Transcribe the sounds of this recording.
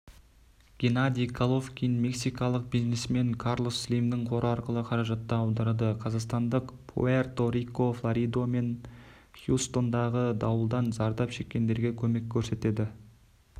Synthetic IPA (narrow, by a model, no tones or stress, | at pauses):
ɡ̥ʲenad̪ʲijkʰalˠo̞fkʲinme̞ksijkɑlˠəq̚bijznesme̞ŋkʰɑɾlˠo̞sːlijmd̪ɪɴqʰo̞ɾʔəɑɾqəlˠəqʰɑɾɑʒɑt̪ːɑːwd̪ɑɾɑd̪əqʰɑzɑqst̪ɑnd̪əqpʰo̰ert̪o̞ɾikːo̞flˠaɾijd̪o̞me̞n | χjust̪o̞nd̪ɑʁəd̪ɑwəlˠd̪ɑnzɑɾd̪ɑpʃe̞kʲːe̞nd̪e̞ɾɡʲe̞kʲʰɵme̞kʲʰːɵɾse̞t̪e̞d̪ɪ